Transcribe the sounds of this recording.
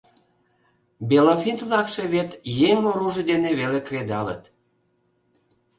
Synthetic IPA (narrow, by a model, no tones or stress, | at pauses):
belofint̪lɑkʃeβet̪jeŋoɾuʒəd̪eneβelekred̪ɑlə̰t̪